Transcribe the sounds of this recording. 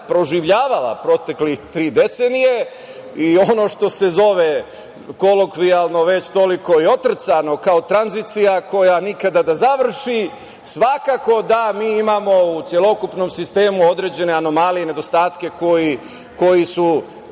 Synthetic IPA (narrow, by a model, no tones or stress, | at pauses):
pɾo̞ʒiʋʎaːʋala̰pɾo̞t̪e̞klit̪ɾiːd̪e̞t̪senije̞ | io̞no̞ʃt̪o̞se̞zo̞ʋe | ko̞lo̞kʋialˠno̞ʋe̞t͡ɕt̪o̞liko̞io̞t̪r̩t̪sano̞kao̞t̪ɾanzit̪sijako̞janikad̪ad̪azaʋr̩ʃi | sʋakako̞d̪amiːimamo̞ut̪sje̞lˠo̞kupno̞msist̪e̞ːmuo̞d̪ɾe̞ːd͡ʑe̞ne̞ano̞malijene̞d̪o̞st̪aːt̪ke̞ko̞ji | ko̞jisu